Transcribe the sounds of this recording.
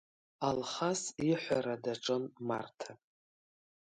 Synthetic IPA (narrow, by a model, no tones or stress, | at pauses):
alχasiħʷaɾadaʈ͡ʂʼɨnma̰rtʰa